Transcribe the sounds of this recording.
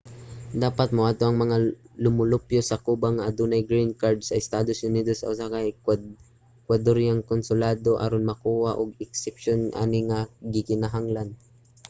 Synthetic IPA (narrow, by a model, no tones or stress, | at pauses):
d̪aːpat̪̚mʊʔaːt̪oʔɐŋmɐŋalʊmʊlʊpjosɐkuːbaŋːaʔːd̪uːnajɡɾinkaɹd̪sɐɪst̪aːd̪osʔʊniːd̪osɐ̰ʊsakaj | kwad̪oɾjaŋkonsʊlaːd̪oʔa̰ɾonmɐkuːhaʔʊɡ̚ɪksɛp̚ʃonʔa̰ːnɪŋaɡɪkɪnaɦaŋlan